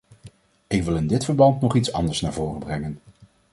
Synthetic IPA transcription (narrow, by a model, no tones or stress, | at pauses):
ɪkʋɪlˠɪndɪtfəɹbɑntnɔχitsɑ̰ndəɹsna̰ːɹvʊːrəbrɛŋən